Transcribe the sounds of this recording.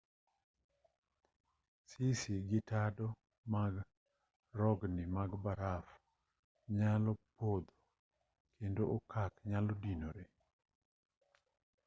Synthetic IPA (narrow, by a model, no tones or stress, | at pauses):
sisiɡɪtadɔ | maɡ | ɾɔɡnɪmaɡbaɾaf | ɲalɔpod̪o | kʰendoʔokakɲalodinoɾe